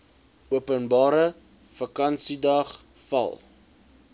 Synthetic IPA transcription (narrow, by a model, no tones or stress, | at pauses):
uəpənbɑːɾə | fɐkɐnsidɐχ | fɐ̰lˠ